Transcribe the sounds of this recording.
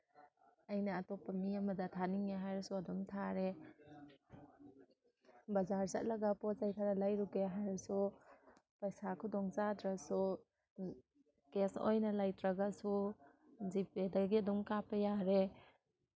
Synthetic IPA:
ɐjnɐːtɔpːɐmiɐmɐdɐtʰaniŋeɦajɾsuɐdumtʰaɾe | bɐzaɾza̰t̚lɐɡapɔzajtʰaɾalajɾuɡeɦajɾsu | pajsakʰudɔŋzadɾasu | keso̰jnɐlajtɾaɡasu | zipedaɡiɐdumkapɐjaɾe

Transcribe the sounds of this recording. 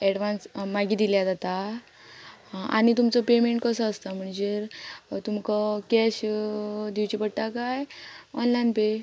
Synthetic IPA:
ɛɽʋãnsmaɡiːd̪iljad͡zat̪a | a̰ɽ̃it̪umt͡sɔpemeɳʈkəsəəst̪am̤əɳd͡ʑeɾt̪umkɔkɛɕ | d̪iwt͡ɕipəɽʈ̪akajɔnlajnpe

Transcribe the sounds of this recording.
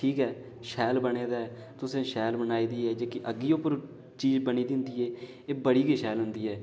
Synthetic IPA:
ʈʰiːkɛː | ʃɛːlbəneːd̪aːɛː | t̪ʊsẽːʃɛːlbənaːiːd̪iːɦɛːd͡ʒeːkɪʔəɡiːopəɾ | t͡ʃiːzbəniːd̪ɪ̃nd̪iːeː | eːbəɽiːɡiʃɛːlɦʊnd̪iːɦɛː

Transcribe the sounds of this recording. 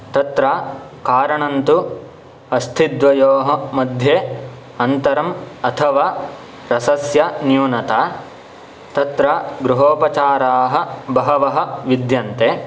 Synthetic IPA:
t̪ɐt̪ɾaːkaːɾɐɳɐnt̪u | ɐst̪ʰid̪ʋɐjoːɦɐ̆mɐd̪ʱjeː | ɐnt̪ɐɾɐmɐt̪ʰɐʋaː | ɾɐsɐsjɐnjuːnɐt̪aː | t̪ɐt̪ɾaɡɾuɦoːpɐt͡ʃaːɾaːɦɐ̆bɐɦɐʋɐɦɐ̆ʋid̪jɐnt̪eː

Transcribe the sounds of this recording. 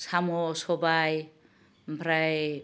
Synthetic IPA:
samosobaj | mbʱɾaj

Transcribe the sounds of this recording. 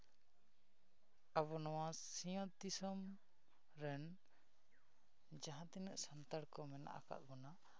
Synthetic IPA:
abɔnɔwasijɔ̃t̪isɔm | ɾɛn | d͡ʒaɦãt̪inəʔsant̪aɽkɔmɛna̰ʔa̰ka̰ʔ̪̚bɔna

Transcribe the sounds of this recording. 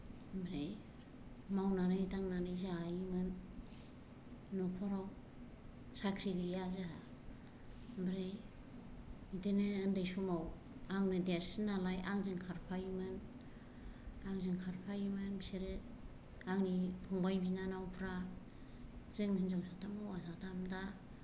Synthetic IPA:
bɾej | mawnanɯjtaŋnanɯjzajimɯn | ɔkʰɔɾaw | sakʰɾidijazaɦa | bɾej | ideneːndajsumaw | aŋnɯdeɾsinalajʔaŋzɯŋkʰaɾpʰajimɯn | aŋzɯŋkʰaɾpʰajimɯnbiseɾe | aŋnipʰuŋbajbinanawpʰɾa | zɯŋhɯnzawsatʰamawasatʰamda

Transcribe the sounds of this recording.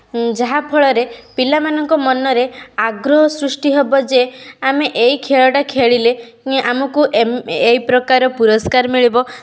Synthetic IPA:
d͡ʒaɦapʰɔɭɔɾepilamanɔŋkɔmɔnɔɾeaɡɾɔɦɔsɾusʈiɦebɔd͡ʒeameʔeɦikʰeɭɔʈakʰeɭile | ʔamɔkuʔeipɾɔkaɾɔpuɾɔskaɾmiɭibɔ

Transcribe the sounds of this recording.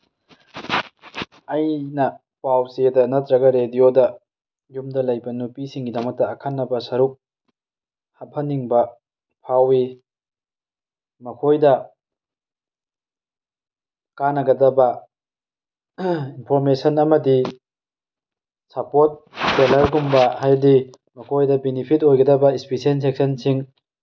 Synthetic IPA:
ɐjnɐ | pawsedɐnɐtɾɐɡɐɾediodɐ | jumdɐlɐjbɐnupisiŋɡidɐmɐk̚tɐːkʰanːɐbɐsɐɾuk̚ | hɐp̚ʰhɐnːiŋbɐ | pʰawi | mɐkʰojdɐ | kanɐɡɐdɐbɐ | inpʰoɾmesɐnɐmɐdi | sɐpot̚selɐɾɡumbɐhajdi | mɐkʰojdɐbenipʰit̬ojɡɐdɐbɐispisens̬ek̚sɐnsiŋ

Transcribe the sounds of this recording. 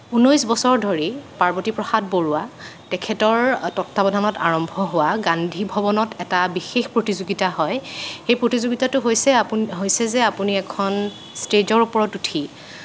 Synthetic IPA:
unojsbɔsɔɹdʱoɹipaɹbɔtipɹɔxad̚boɹʊwatɛkʰɛtɔɹtɔtʰːabɔdʱanɔta̰ɹɔmbʱɔɦowaɡandʱibʱɔbɔnɔtʰɛtabixexpɹotizoɡitaɦɔjxejpɹotizoɡitatʊɦojsɛaɦojsɛzɛapuniɛkʰɔn | sted͡ʒɔɹupɔɹɔtutʰi

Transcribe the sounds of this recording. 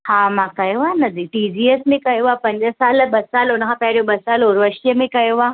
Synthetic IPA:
haːmãkɐjoaːnɐd̪ʱiʈiːd͡ʑiːesmẽkɐjoapɐ̃ɲd͡ʑəsaːlɓɐsaːlʊnəkʰãːpɐɦɪɾijoɓɐsaːloːɾʋəʃijəmẽkɐjoaː

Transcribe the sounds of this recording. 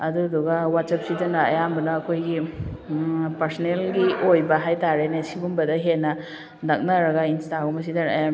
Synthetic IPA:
ɐduduɡɐwatsap̚sidɐnɐɐ̰jambɐnɐːkʰojɡi | pɐɾsɔnelɡiojbɐɦajtaɾenesibumbɐdɐɦenːɐ | nɐk̚nɐɾɐɡɐinstaɡumɐs̬idɐnɐja

